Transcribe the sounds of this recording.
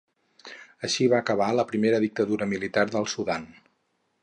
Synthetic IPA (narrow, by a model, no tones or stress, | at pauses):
əʃiβaəkəβ̞aləpɾimeɾəðik̚t̪əðuɾəmilit̪arðəlˠsuðan